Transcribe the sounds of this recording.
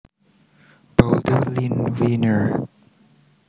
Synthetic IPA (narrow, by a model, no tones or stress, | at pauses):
b̥oldəlĩnwinəɹ